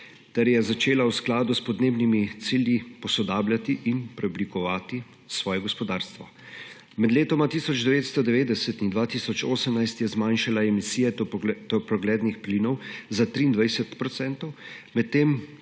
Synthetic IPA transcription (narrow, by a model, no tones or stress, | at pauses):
t̪ɛɾjɛzat͡ʃeːlawsklaːd̪uspɔd̪neːbnimit̪siːljipɔsɔd̪aːbljat̪iʔinpɾɛɔblikɔʋaːt̪i | sʋɔːjɛɡɔspɔd̪aːɾst̪ʋɔ | mɛd̪leːt̪ɔmat̪iːsɔd͡ʒd̪ɛʋeːt̪st̪ɔd̪ɛʋeːd̪ɛsɛt̪ind̪ʋaːt̪iːsɔt͡ʃo̰ːsəmnajst̪jɛzmanʃalaɛmisiːjɛt̪ɔpɾɔɡlɛːd̪nixpliːnɔwzat̪ɾiːnd̪ʋajsɛt̪pɾɔt̪sɛnt̪ɔwmɛtt̪ːeːm